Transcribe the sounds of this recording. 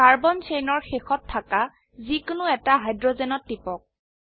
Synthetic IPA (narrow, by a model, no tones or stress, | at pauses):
kaɹbɔnsejnɔɹxexɔtʰːaka | zikʊnʊɛtaɦajdɹɔzɛnɔtːipɔk̚